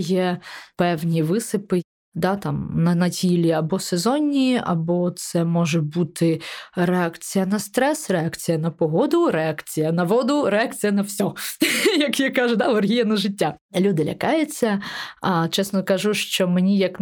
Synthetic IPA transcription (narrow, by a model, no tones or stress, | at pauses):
jɛpɛwnʲiʋɪsɪpɪ | d̪at̪ɑmnɐnɐtʲilʲiɐbɔsɛzɔnʲiɐ̰bɔt̪sɛmɔʒɛbut̪ʰɪɾeakt͡sʲijɐnɐst̪ɾɛsreakt͡sʲijɐnɐpɔɦɔd̪ʊɾeakt͡sʲijɐnɐʋɔd̪ʊɾeak̚t͡sʲijɐnɐwsʲɔjɐkjakaʒʊd̪aʋɐrɦʲijɐnɐʐɪtʲːa | lʲud̪ɪlʲɐkɑjɛt͡sʲːɐɐt͡ʃɛsnɔkɐʒuʃt͡ʃɔmenʲijɐk